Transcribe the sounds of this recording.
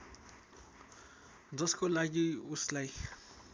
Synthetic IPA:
d͡zʌskolaɡiuslaj

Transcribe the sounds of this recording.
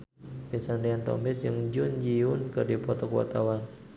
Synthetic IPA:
pinsandiant̪ɔ̰mɪsd͡ʒɨŋd͡ʒʊnd͡ʒiʊnkɨrdipɔt̪ɔkua̰t̪awan

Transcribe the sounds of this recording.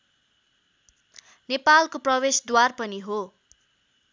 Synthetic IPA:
nepalkoprʌbesd̪warpʌniɦo

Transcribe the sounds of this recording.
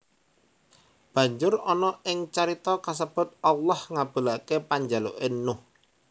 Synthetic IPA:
b̥ä̤ɲd͡ʒʊrɔnɔʔɪŋt͡ʃaɾit̪ɔkas̬əb̥ʊ̤t̪̚alːɔhŋab̥ə̤lakepaɲd͡ʒalo̰ʔɪnːʊh

